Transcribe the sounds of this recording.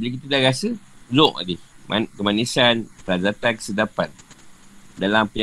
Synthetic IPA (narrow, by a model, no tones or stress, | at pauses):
bilik̬it̪udahɾasəzɔʔa̰dihmkəmanisanpəɾazat̪ankə̥sədapat̪̚ | dalampə